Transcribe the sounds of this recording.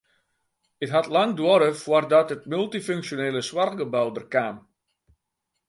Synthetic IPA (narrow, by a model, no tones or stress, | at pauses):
ətɦatlaŋdwoɾəfwərdɔtət̚mylˠtiføŋksjoneːləswarɡəbawdərkaːm